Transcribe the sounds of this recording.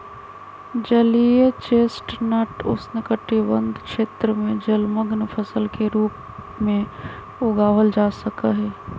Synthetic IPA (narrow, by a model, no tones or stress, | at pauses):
d͡ʒəlijet͡ʃeːsʈnəʈʊ̰snəkəʈːibə̃nd̪ʱkʃeːt̪ɾəmẽd͡ʒəlməɡnpʰəsəlkeɾuːp | mẽ | ʊɡaːʋəld͡ʒaːsəkaɦɛː